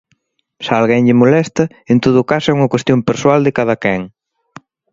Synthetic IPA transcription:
salɣɛŋʎɪmolɛst̪ɐ | ent̪oð̞ʊkasɛuŋɐkwest̪jompeɾswald̪ɪkaðɐkɛŋ

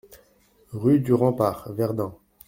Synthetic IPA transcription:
ʁyd̪yʁɑ̃paːʁvɛʁd̪ɑ̃

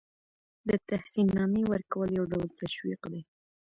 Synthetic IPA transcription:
d̪ət̪ahsinːɑmewəɾkawəljawɖawəlt̪aʃwiqd̪e

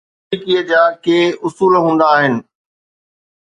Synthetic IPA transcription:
ikiəd͡ʑaːkeːʊsuːlɦũːn̆d̪aːɦɪnɪ̆

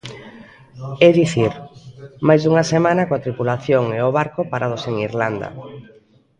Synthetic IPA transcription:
eðiθiɾmajzðuŋasemãnakoat̪ɾipulaθjoŋeoβ̞aɾkopaɾʔað̞oseŋiɾland̪ɐ̰

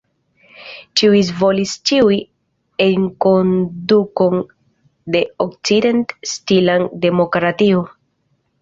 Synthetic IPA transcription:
t͡ʃiuizvo̞list͡ʃiuj | eŋko̞nduko̞n | de̞ok̚t͡side̞ntstilande̞mokɾatio

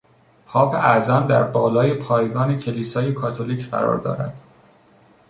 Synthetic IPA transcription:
pʰɒːpʰæzɒːnd̪æɾbɒːlɒːjepʰɒːjɡɒːnecʰe̞liːsɒːjekʰɒːt̪ʰoliːcʰfæ̰ɾɒ̰ːɾd̪ɒ̰ːɾæ̰d̪̥

